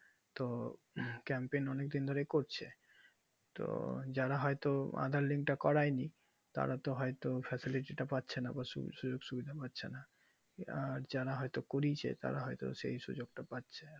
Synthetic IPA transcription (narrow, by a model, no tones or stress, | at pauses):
t̪o | kɛmpejnɔnek̚d̪ind̪ʱoɾekoɾt͡ɕʰe | t̪o̰d͡ʑaɾaɦɔjt̪oa̰d̪ʱaɾliŋkʈakɔɾajni | t̪a̰ɾat̪oɦɔet̪ofɛsiliʈiʈapatːɕʰenabaṵʃud͡ʑoɡʃubid̪ʱapatːɕʰena | aɾd͡ʑaɾaɦɔjt̪okoɾit͡ɕʰḛt̪a̰ɾaɦɔjt̪o̰ʃḛjʃṵd͡ʑoɡʈapatːɕʰe